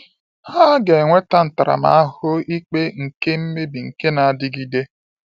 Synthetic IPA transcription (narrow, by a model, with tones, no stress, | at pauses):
ha˦ɡe˨ŋʷe˦ta˦n̩˨ta˨ɾa̰˨ma̰˨a˦hʊ˦i˦k͡pe˦ŋ̩˨ke˦m̩˦me˦bi˨ŋ̩˨ke˦na˨a˨dɪ˦ɡi˦de˦